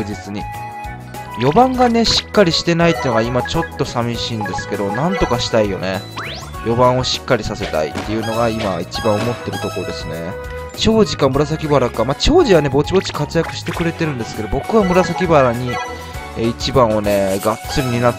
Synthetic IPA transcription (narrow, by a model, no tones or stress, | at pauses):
ɯd͡ʑit͡sɨɲ̟i | jo̞bãŋɡane̞ɕi̥kːaɾʲiɕi̥t̪e̞nait̪ːenoɡaimat͡ɕo̞t̪ːo̞samʲiɕiːnd̪e̞sɨ̥ke̞d̪o̞nãnt̪o̞kaɕi̥t̪aijo̞̰ne̞ | jʔo̞bãɰ̃o̞ɕi̥kːaɾʲisase̞t̪a̰ḭt̪ːe̞jɯ̟no̞ɡaima̰it͡ɕibãɰ̃omo̞t̪ːe̞ɾɯ̟t̪o̞koɾod̪e̞sɨne̞̰ | t͡ɕo̞ːʑikamɯ̟ɾas̬akʲibaɾakamat͡ɕo̞ːʑiβane̞bo̞t͡ɕibo̞t͡ɕi̥kat͡sɨjakɯ̟ɕi̥t̪e̞kɯ̟ɾe̞t̪e̞ɾɯ̟̃nd̪e̞sɨ̥ked̪o̞bo̞kɯ̟βamɯ̟ɾasakʲibaɾaɲ̟i | eit͡ɕibãɰ̃o̞ne̞ɡatt͡sɨɾʲiɲ̟ina